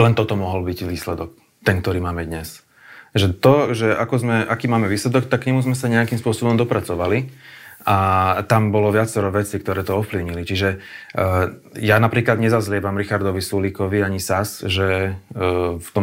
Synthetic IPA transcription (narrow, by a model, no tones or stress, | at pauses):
lɛnt̪ɔt̪ɔmɔɦɔlbiɟʋiːslɛd̪ɔk̚ | t̪ɛnk̚t̪ɔɾiːmaːmɛd̪ɲɛs | ʒɛt̪ɔʒɛʔakɔzmɛʔakiːmaːmɛʋiːslɛd̪ɔkt̪akːɲɛmuzmɛsaɲɛakimspʊɔsɔbɔmd̪ɔpɾat͡sɔʋaliat̪ambɔlɔʋɪat͡sɛɾɔʋɛt͡sikt̪ɔɾɛːt̪ɔɔfpliʊɲilit͡ʃiʒɛ | janapɾiːklad̪ɲɛzazlɪɛbamɾixaɾd̪ɔʋisulikɔʋiaɲisasʒɛ | ft̪ɔm